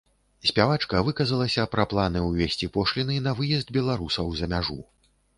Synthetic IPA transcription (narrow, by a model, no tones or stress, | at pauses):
sʲpʲavat͡ʂkɐvɨkɐzɐlˠɐsʲɐpɾɐplˠanɨwvʲesʲt͡sʲipɔʂlʲinɨnɐvɨjɛzd̪̚bʲɛlˠaɾusɐwzɐmʲaʐṵ